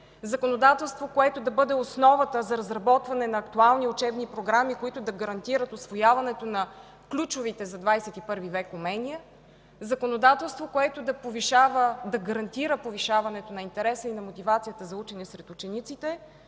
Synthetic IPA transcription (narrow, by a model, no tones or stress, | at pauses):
zɐkonod̪at̪ɛlˠst̪vokoɛt̪od̪ɐbɤd̪ɛosnɔvət̪əzɐɾɐzɾɐbɔt̪vɐnɛnɐːkt̪ualˠniʊt͡ʃɛbnipɾoɡɾamikoit̪ʊd̪ɐɡɐɾɐnt̪iɾət̪osvojavɐnɛt̪onɐ | klʲut͡ʃovit̪ɛzɐd̪vajsɛt̪ipɤɾvivɛkʊmɛnijə | zɐkonod̪at̪ɛlˠst̪vokoɛt̪od̪ɐpoviʃavəd̪ɐɡɐɾɐnt̪iɾəpoviʃavɐnɛt̪onɐint̪ɛɾɛsəinɐmot̪ivat̪sijət̪əzɐut͡ʃɛniɛsɾɛt̪ʊt͡ʃɛnit̪sit̪ɛ